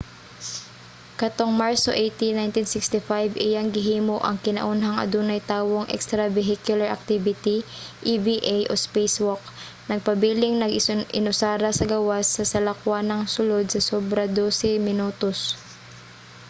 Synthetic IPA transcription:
kɐt̪oŋmaɹso̰ʔejt̪inajnt̪insɪkst̪ɪfajvɪjaŋɡɪɦiːmo̞ʔɐŋkɪnɐ̰ʔunɦɐŋɐ̰d̪uːnɐjt̪aːwoŋʔɛ̰kst̪ɾɐvɛɦikjʊlɐɹʔɐ̰k̚t̪ivɪt̪iʔibiʔajʔospejswok̚ | nɐɡ̚pɐbiːlɪŋnɐɡʔɪ̰nʊsaːɾɐsɐɡɐwasːɐsɐlɐkʊwanɐŋsʊlod̪̚sɐsoːbɾɐd̪oːsɛmɪnuːt̪os

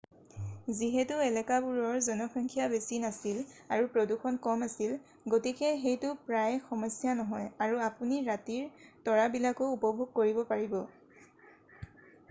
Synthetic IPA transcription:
ziɦɛtʊɛlɛkabuɹɔɹzɔnɔkʰɹɔŋkʰijabesinasilaɹupɹoduxʰɔnkɔmasil | ɡotikɛxejtʊpɹajxɔmɔsjanɔɦɔjaɹuapuniɹatiɹtɔɹabilakʊupɔbʱuɡ̚koɹibɔpaɹibɔ

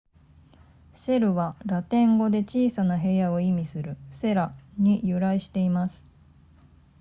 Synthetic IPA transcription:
se̞ɾɯ̟βaɾat̪ẽ̞ŋɡo̞d̪e̞t͡ɕiːsanaɦe̞jao̞imʲisɨɾɯ̟se̞ɾaɲ̟ijɯɾaiɕi̥t̪e̞imasɨ̥

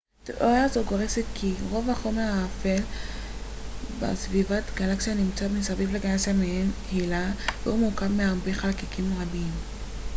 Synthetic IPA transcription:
t̪ʔoazoɡo̞ʁeset̪kʰiʁo̞vaχo̞me̞ʁhaːfel | bḛsvivat̪ɡalaksijanimt͡samisavivleɡalaksiamehenhilavḛumukavmeaʁbeχalakikimʁabim

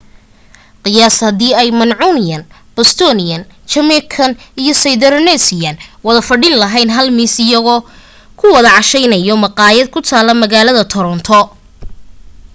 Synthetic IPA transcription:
qɨjaːshɐðiːɛjmɐnʕunɪjɐn | b̥ɔst̪ʰɔnɪjɐnt͡ʃɐmɛkʰɐnijɔsɐjðɛɾnɛsɪjɐnwɐðɐfɐɖɪnlɐɦɛjnɦɐlmiːsɪjɐɣɔː | kʰʊwɐðɐʕɑʃɛjnɐjɔmɑqɑːjɐd̪̚kʰʊt̪ʰaːlɐmɐɣaːlɐðɐt̪ʰɔɾɔnt̪ʰɔ

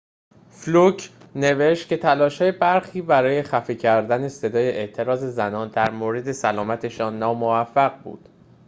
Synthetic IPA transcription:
flucʰ | ne̞ve̞ʃt̪̚kcʰe̞t̪ʰælɒːʃhɒːjebæɾxiːbæɾɒːje̞xæfiːcʰæɾd̪æne̞se̞d̪ɒːje̞ʔeʔt̪ʰe̞ɾɒːze̞zænɒːnd̪æɾmoːɾe̞d̪e̞sælɒːmæt̪ʰe̞ʃɒːnːɒːmovæfːæɣ̚bṵːd̪̥

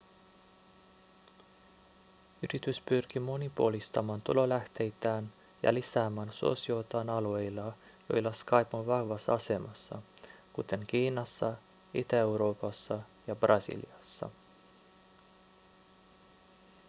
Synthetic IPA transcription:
yɾit̪yspyrk̟imo̞nipuolist̪ɑmɑːnt̪ṵlo̞læht̪e̞jt̪æːn | jɑ̰lisæːmæːnsuo̰sio̞t̪ɑːnɑlue̞jlːɑ | jo̞jlːɑskɑjpunʋɑhʋɑsːɑɑse̞mɑsːɑ̰kut̪e̞ŋk̟iːnɑsːɑ | it̪æewɾo̞ːpɑsːɑjɑbrɑsḭlḭɑsːɑ̰

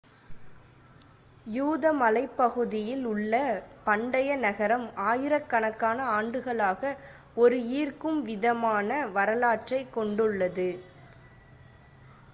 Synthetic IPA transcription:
juːðɐmɐlɐɪpːɐɣɯðɪjɪlʊɭːɐ | pɐɳɖɐjɐnɐɣɐɾɐmaːjɪɾɐkːɐɳɐkːaːnɐaːɳɖɯɣɐɭaːɣɐ | ɔɾɯiːrkɯmʋɪðɐmaːnɐʋɐɾɐlaːʈrɐɪkːɔɳɖɯɭːɐðɯ

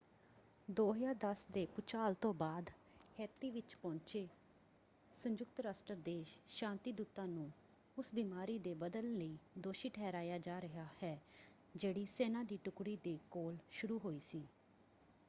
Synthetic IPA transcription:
d̪oːɦəjaːɾd̪əsd̪eːpʊt͡ʃʰaːlt̪õːbaːd̪ | hɛːt̪iːʋɪt͡ʃpɔ̃ːɲt͡ʃeː | sə̃ɲd͡ʒʊkt̪ɾaːsʈəɾd̪eːʃʃãːnt̪iːd̪uːt̪ãːnũː | ʊsbiːmaːɾiːd̪eːbəd̪əlːəiːd̪oːʃiːʈʰɛːɾaːjaːd͡ʒaːɾəɦaːhɛː | d͡ʒeːɽiːseːnãːd̪iːʈʊkɽiːd̪eːkoːlʃʊɾuːɦoːiːsiː

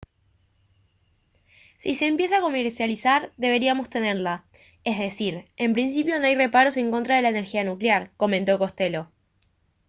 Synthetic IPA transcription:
sise̞ːmpje̞s̬ako̞meɾsjalisaɾd̪e̞βe̞ɾiamo̞st̪e̞neɾla | ezðe̞siɾe̞mpɾins̬ipjo̞noajre̞paɾo̞se̞ŋko̞nt̪ɾaðe̞laene̞ɾxianukljaɾko̞ment̪o̞ko̞st̪e̞lo̞

